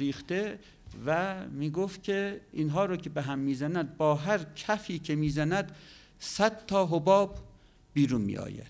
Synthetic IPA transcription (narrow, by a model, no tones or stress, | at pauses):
iːxt̪e | væmiːɡoft̪̚kʲʰeiːnɦɒːɾoːcʰʲebeɦæmːiːzænæd̪̚bɒːɦæɾkʰæfiːcʰemiːzænæd̪ | sæd̪̥t̪ʰɒːɦobɒːb | biːɾunmḭːʔɒ̰ːjæ̰d̪̥